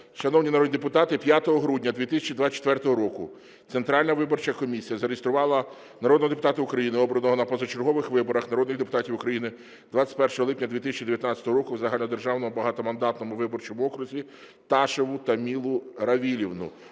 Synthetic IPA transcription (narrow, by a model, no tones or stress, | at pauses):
ʃɐnɔwnʲinɐɾɔd̪ʲnʲid̪ep̬ʊt̪ɑt̪ɪpʲjat̪ɔɦɔɦɾudʲnʲɐd̪ʋʲit̪ɪsʲɐt͡ʃid̪ʋasʲːt͡ʃːe̥t̪ʋɛrt̪ɔɦɔɾɔkʊ | t̪sent̪ɾɑlʲnɐʋɪbɔrt͡ʃɐkɔmʲisʲijɐzɐɾɪjist̪ɾʊʋɑlˠɐ | nɐɾɔd̪nɔd̪epʊt̪ɑt̪ɪʊkɾɐjinɪɔbɾɔnɔɦɔnɐpɔzɐt͡ʃerɦɔʋɪxʋɪbɔɾɐxnɐɾɔd̪nɪxd̪epʊ̥t̪ɑtʲiwʊkɾɐjinɪ | d̪ʋat͡sʲːɐ̥tʲpɛrʃɔɦɔlˠɪpnʲɐd̪ʋʲit̪ɪsʲɐt͡ʃid̪eʋʲjɐt̪nat͡sʲɐt̪ɔɦɔɾɔkʊwzɐɦalʲnɔd̪erʒɑwnɔmʊbɐɦɑt̪ɔmɐnd̪ɑt̪nɔmʊʋɪbɔrt͡ʃɔmʊɔkɾʊzʲʋʲi | t̪ɑʃeʋʊt̪ɐmʲilˠʊɾɐʋʲilʲiwnʊ̰